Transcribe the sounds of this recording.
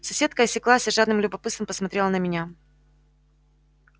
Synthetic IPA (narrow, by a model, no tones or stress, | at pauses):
sɐsʲe̞t̪̚kəɐsʲɪklˠasʲɪʐad̪nɨmlʲʊbɐpɨt̪t̪ɨmpəsmɐt̪ɾʲe̞lˠənəmʲɪnʲa